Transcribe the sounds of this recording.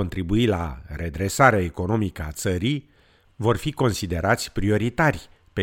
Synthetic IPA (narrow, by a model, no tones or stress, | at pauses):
ont̪ɾibuila̰ɾe̞d̪ɾe̞saɾeaeko̞no̞mikəa̰t̪səɾij | vo̞rfiko̞nsid̪e̞ɾʔat̪sʲpɾio̞ɾit̪arʲ | pe